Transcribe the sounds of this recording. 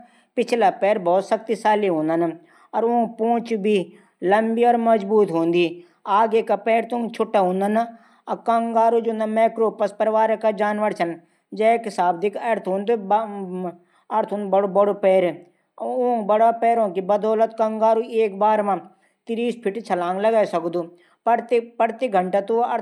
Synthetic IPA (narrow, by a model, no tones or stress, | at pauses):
pɪt͡ʃʰlaːpɛːɾbɔːt̪səkt̪isaːliɦõːnd̪ən | ɔːɾʊõpõːt͡ʃbʱiː | ləmbiːɔːɾməd͡ʒbuːt̪ɦõːnd̪iː | aːɡeːkapɛːɾt̪õt͡ʃʰoʈːaːɦõːnd̪ən | kəŋɡaːɾod͡ʒʊːnãmɛːkɾoːpəspəɾʋaːɾkad͡ʒaːnʋəɾt͡ʃʰən | d͡ʒɛːkɦɪsaːbd̪ɪkɐɾt̪ʰɦoːnt̪ob | ɐɾt̪ʰõːnbəɽobəɽopɛːɾ | bəɽapɛːɾõːkibɐd̪ɔːlət̪kɐŋɡaːɾuːeːkbaːɾmã | t̪ɪɾiːspʰɪʈt͡ʃʰɐlaːŋləɡaːsəkd̪uː | pəɾt̪pəɾt̪iɡʱəɳʈat̪ũː